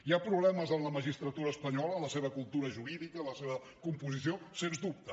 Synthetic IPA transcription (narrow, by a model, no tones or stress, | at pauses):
iapɾuβlɛməzənləməʒist̪ɾət̪uɾəːspəɲɔlələseβəkulˠt̪uɾəʒuɾiðikələseβə | kumpuzisiosenzd̪up̚t̪ə